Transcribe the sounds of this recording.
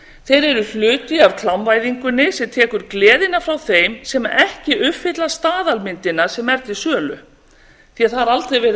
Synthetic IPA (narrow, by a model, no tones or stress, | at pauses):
θejɾɛɾʏl̥ʏːt̪ɪavkʰlamvajðiŋkʏnːɪsɛt̪ʰɛːkʏɾklɛːðɪnafɾawθejmsɛmɛhcɪʔʏfɪt̪last̪aːðalmɪnt̪ɪnaɾ̥sɛmɛɾt̪ɪsœːlʏ̰ | θiaθaɾalt̪ɾejvɛːɾ